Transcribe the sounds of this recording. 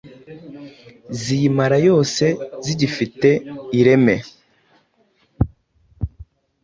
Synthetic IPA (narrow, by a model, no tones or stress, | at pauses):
zijimaɾajo̞ːse̞ziɟifite̞iɾe̞me̞